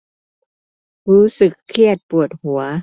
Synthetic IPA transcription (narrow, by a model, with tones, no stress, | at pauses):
ɾuː˦˥sɯ˨˩kʰːi˥˩ət̪̚pu˨˩ət̪̚hu˨˩˦ɐ